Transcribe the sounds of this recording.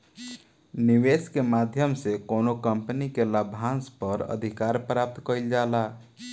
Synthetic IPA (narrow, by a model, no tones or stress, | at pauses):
niweskemad̪ʱjəmsekonokəmpənikeləbʱɦãnspəɾə̰d̪ʱikaɾpɾap̚t̪kəild͡ʒala